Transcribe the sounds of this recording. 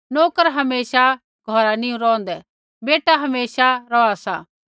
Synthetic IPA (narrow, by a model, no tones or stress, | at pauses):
noːkəɾɦɐmeːʃa | ɡʱɔɾaniũɾɔ̃ːnd̪ɛ | beːʈaɦɐmeːsaɾɔasa